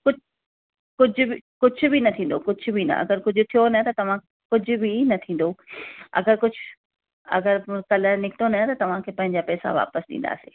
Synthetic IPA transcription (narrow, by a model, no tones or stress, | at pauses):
kʊd͡ʑ | kʊd͡ʑʱʊbkʊd͡ʑʱʊ̆binɐt̪ʰĩːn̆d̪okʊd͡ʑʱʊbʱinɐ̰ʔɐ̰ɡəɾkʊd͡ʑʱʊ̆t̪ʰijonɐt̪ɐt̪ɐʋ̤ã | kʊd͡ʑʱʊ̆bʱinɐt̪ʰĩːn̆d̪oɐ̰ɡəɾkʊd͡ʑʱʊ | ɐ̰ɡəɾkɐləɾnɪkʰt̪onɐɦt̪ɐt̪ɐʋ̤ãkʰeːpɐ̃ɦɪ̃ɲd͡ʑapɛːsa̰ʋa̰ːpəsɗḭ̃nd̪a̰ːseː